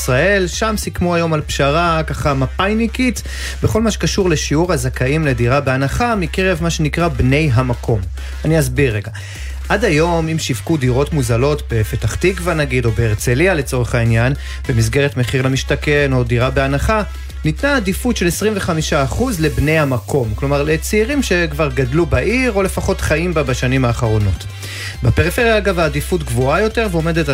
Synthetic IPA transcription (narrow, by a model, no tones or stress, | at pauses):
sʁae̞lʃamsikmuajo̞malpʃaʁakaχamapajnikit | beχo̞lmaʃe̥kaʃuʁle̞ʃiuʁhazakaimle̞diʁabeanaχamikeʁevmaʃe̞nikʁabne̞jɦamakʰo̞m | aniazbiʁːeɡa | ʔadajo̞mimʃivkudiʁo̞tmuzalo̞tbe̞fetaχtikvanaɡido̞beːʁt͡se̞liale̞t͡so̞ʁeχainjan | be̞mizɡe̞ʁetmeχiʁlamiʃtake̞no̞diʁabe̞anaχa | nitnaːdifutʃe̞lesʁimveχamiʃaːχuzle̞bnejhamakʰo̞mklo̞maʁlet͡siːʁimʃe̞kvaʁɡadlubaʔiʁo̞le̞faχo̞tχaimbabaʃanimhaːχaʁo̞no̞t | bape̞ʁifeʁjaːlɡavaːdifutɡvoajo̞te̞ʁveome̞det